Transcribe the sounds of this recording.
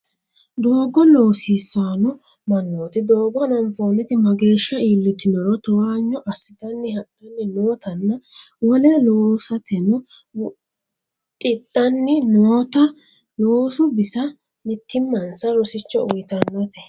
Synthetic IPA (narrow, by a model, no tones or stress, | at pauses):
d̪o̞ːɡɔlo̞ːsɪsːaːnɔ | mɐnːoːt̪ɪd̪oːɡɔnɐnfoːnɛt̪ɪmɐɡe̞ːʃːɐiːlːɪt̪ːɪnɔɾɔt̪ɔwaːɲːɔʔɐsːɪt̪ɐnːɪhɐʔɐnːɪnoːt̪ɐnːɐwɔlɛloːsɐt̪ɛnɔ | t͡ʃʼɪt̪ʼːɐnːɪnoːt̪ɐ | loːsʊbɪsɐ | mɪt̪ʰːɪmːɐnsɐɾɔsɪt͡ʃːɔʊjt̪ɐnːɔt̪ɛ